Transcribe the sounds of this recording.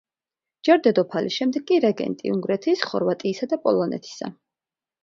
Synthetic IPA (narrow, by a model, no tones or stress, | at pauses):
d͡ʒɛɾd̪ɛd̪ɔpʰalisʃɛmd̪ɛɡːʼiɾɛɡɛ̰nt̪ʼḭuŋɡɾɛt̪ʰisχɔɾvat̪ʼiːsad̪apʼɔlˠɔnɛ̰t̪ʰi̥sa̰